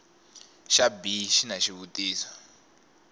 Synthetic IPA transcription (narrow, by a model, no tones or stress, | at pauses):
ʃabiʃinaʃiβutiːsɔ̥